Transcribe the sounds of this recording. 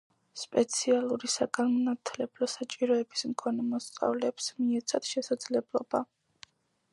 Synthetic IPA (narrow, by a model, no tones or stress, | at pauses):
spʼɛt̪sʰialˠuɾisaɡanmɔnat̪ʰlɛblɔsat͡ʃʼiɾɔɛbismkʰɔnɛmɔst̪sʼa̰vlɛːpsmiɛt̪sʰad̪̥ʃɛsad̪z̥lɛblˠɔba